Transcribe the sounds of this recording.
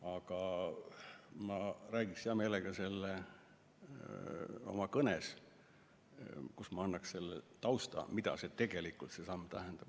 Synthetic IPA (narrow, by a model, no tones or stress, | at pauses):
ɑɡ̥ɑ | mɑræːɡiksɑme̞ːleɡ̥ɑse̞lːe | o̞̰mɑkɤnes | kusmɑɑnːɑksse̞lːḛt̪ɑwst̪ɑ̰mid̪̥ɑ̰se̞t̪e̞ɡ̥e̞likːˑult̪se̞sɑmːt̪æɦend̪̥ɑb̥